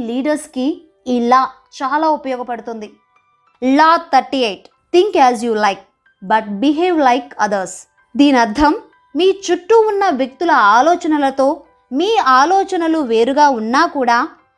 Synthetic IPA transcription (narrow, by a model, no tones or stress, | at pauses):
liːɖɐɾskiː | laː | t͡ʃaːlaːupɐjɔːɡɐpɐɽut̪und̪i | laːtt̪ɐɾʈiejʈ | t̪iŋkɛːzjuːlɐjk̚ | bɐʈ̚biɦeːʋlɐjkɐd̪ɐɾs | d̪iːniɐɾd̪ʱɐmː | iːt͡ʃuʈːuunːɐʋjɐk̚t̪ulɐaːlɔːt͡ʃɐnɐlɐt̪o̞ː | miːaːlɔːt͡ʃɐnɐluʋe̞ːɾuɡaːunːaːkuːɽaː